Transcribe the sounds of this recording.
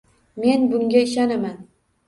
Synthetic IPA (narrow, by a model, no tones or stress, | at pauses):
me̞nbʊŋɡʲaɪʃ̬anaman